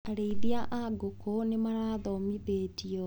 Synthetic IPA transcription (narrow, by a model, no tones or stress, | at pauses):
aɾeiðiaʔaɡokonemaɾaːðɔmiðeːtiɔ